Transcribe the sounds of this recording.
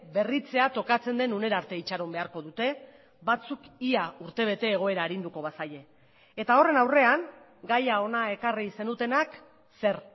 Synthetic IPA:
be̞rit͡se̞at̪o̞kat͡se̞nd̪e̞nune̞ɾaɾt̪e̞it͡ʃaɾombe̞aɾko̞ðut̪e̞ | βat͡sukiauɾt̪e̞β̞e̞t̪e̞ːɣ̞o̞e̞ɾaːɾind̪uko̞βasaʎe̞ː | t̪ao̞re̞nawre̞aŋ | ɡajao̞nae̞karise̞nut̪e̞nak | se̞ɾ

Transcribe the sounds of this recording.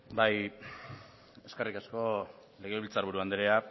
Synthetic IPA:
baj | e̞skerikasko̞ | le̞ɣ̞e̞βilt͡saɾβ̞uɾuand̪eɾea

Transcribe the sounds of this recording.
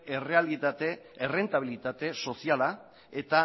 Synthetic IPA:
ere̞alit̪at̪ere̞nt̪aβilit̪at̪e̞so̞siala | e̞t̪a

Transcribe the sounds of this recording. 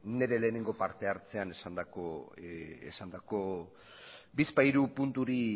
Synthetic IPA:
ne̞ɾe̞le̞ːne̞ŋɡo̞paɾt̪e̞aɾt͡se̞ane̞sand̪ako | ḛsand̪ako̞ | bispajɾupunt̪uɾi

